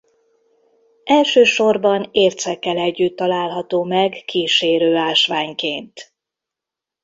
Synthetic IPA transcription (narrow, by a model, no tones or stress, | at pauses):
ʔɛlʃøːʃo̞rbɒneːrt̪sɛkːɛlɛɟːyt̪ːɒlaːlɦɒt̪oːmɛɡkiːʃeːɾøːaːlʃʋaːɲkeːnt̪